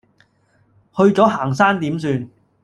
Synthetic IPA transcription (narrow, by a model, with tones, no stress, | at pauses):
hɵ˧ɥt͡sɔː˨˥ɦaː˨˩ŋsaː˥nt̪iː˨˥msyː˧n